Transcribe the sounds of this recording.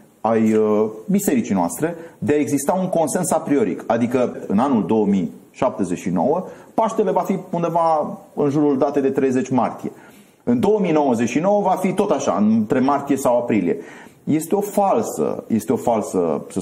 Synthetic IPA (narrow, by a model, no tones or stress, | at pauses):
ajəbise̞ɾit͡ʃijnoa̰st̪ɾe̞d̪eae̞ɡzist̪auŋko̞nse̞nsapɾio̞ɾḭkad̪ikəɨnanuld̪o̞wəmiʃap̚t̪e̞zet͡ʃʲʃino̞̰wəpaʃt̪e̞le̞vafiund̪e̞vaɨnʒuɾuld̪at̪e̞d̪e̞t̪ɾejze̞t͡ʃʲmart̪ije̞ | ɨnd̪o̞wəmino̞wəze̞t͡ʃʃino̞wəvafit̪o̞t̪aʃa̰ɨnt̪ɾe̞mart̪ije̞sawapɾilije̞̰ | je̞st̪e̞o̞falsə̰je̞st̪eo̞falsə̰sə